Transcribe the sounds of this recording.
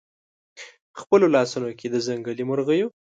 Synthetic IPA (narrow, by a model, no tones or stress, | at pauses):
xpəlolɑsunokʰed̪əzaŋɡalimoɾɣəju